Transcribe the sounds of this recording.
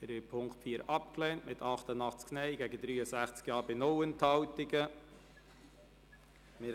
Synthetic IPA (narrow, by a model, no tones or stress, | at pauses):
ɪɾvɪpʰʊŋktfiːɾʔɑp̚klɛntmɪtʰɑχtənɑχt͡sknɛɪɡɛɡədɾyːəsæχt͡skjɑːɾbɪnɔwənthɑwtɪɡə | mɪ